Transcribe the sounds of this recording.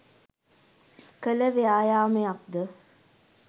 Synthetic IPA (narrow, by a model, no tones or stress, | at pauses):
kələʋeajaːmeak̚d̪ə